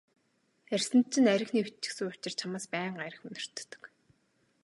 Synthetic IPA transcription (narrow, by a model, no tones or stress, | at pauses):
ær̥ʲsɘ̆nt̪̚t͡ɕʰːɪ̆næɾʲɪ̆xniːut͡ɕɪ̆ksɘ̆ŋʊt͡ɕɪ̆r̥t͡ɕʰamaːspæːɴɢajɾə̆xʊnɪ̆r̥t̪ːə̥̆k